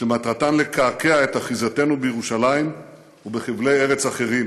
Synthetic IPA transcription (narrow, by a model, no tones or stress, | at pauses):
ʃematʁatanle̞kʰakeaetaχizate̞nubejeʁuʃalaim | ubeχivleje̞ʁet͡saχe̞ʁim